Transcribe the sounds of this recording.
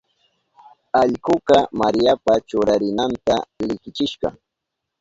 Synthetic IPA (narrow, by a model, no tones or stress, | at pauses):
ɑʎkʊkɑmaɾjapat͡ʃʊɾaɾɪnant̪alɪkɪt͡ʃɪʃɢɑ̰